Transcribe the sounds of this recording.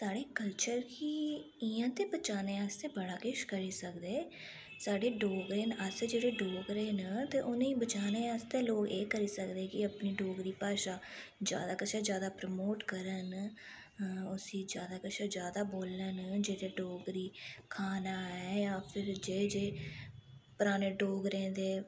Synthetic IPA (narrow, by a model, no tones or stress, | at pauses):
saːɽeːkəlt͡ʃəɾkiː | ɪjãːt̪eːbət͡ʃaːneːaːst̪eːbəɽaːkɪʃkəɾiːsəkd̪eː | saːɖeːɖoːɡɾeːnəsd͡ʒeːɽeːɖoːɡɾeːnət̪eːʔʊnĩːbət͡ʃaːneːaːst̪eːloːkeːkəɾiːsəkd̪eːkɪəpniːɖoːɡɾiːpaːʃaː | d͡ʒja̰ːd̪aːkəʃaːd͡ʒjaːd̪aːpɾəmoːʈkəɾən | ʊsĩːd͡ʒjaːd̪aːkəʃaːd͡ʒjaːd̪aːboːlənd͡ʒeːɾeːɖoːɡɾiːkʰaːnaːɛːjaːpʰɪɾd͡ʒeːd͡ʒeː | pʊɾaːneːɖoːɡɾẽːnd̪eː